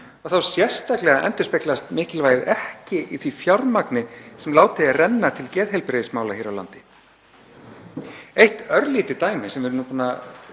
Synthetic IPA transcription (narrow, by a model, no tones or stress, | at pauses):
ɔɣθawsjɛ̥st̪aklɛɣaʔɛ̰nt̪ʏspeklast̪mɪːcɪlvaːjðɛhcɪʔiθvifjawɾmaknɪsɛmlaːwt̪ɪarɛnːat̪ʰɪlcɛːðɦejlpɾeðɪsmaːwlaçɛːɾawla̰nt̪ɪ̥ | ejht̪œɾliːt̪ɪt̪aːjmɪsɛmvɛɾʏnupuːna